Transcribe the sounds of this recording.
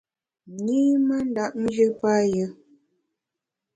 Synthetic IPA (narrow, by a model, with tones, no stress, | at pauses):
ɲi˦mə˦n̩˦da˦ʔn˦d͡ʒɨ˦pa˦jə˦